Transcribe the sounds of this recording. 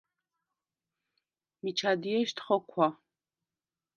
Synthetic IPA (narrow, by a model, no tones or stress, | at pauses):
mit͡ʃʰaːdijɛʃtʰχɐkʷʰa